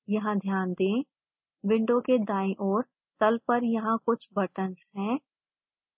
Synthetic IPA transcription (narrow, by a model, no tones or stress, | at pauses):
jɐɦãd̪ʱjaːnd̪ẽː | ʋɪ̃ɳɖõked̪aːẽʔɔːɾ | t̪ɐlpɐɾjɐɦãkʊt͡ʃʰbɐʈənsɦɛ̃ː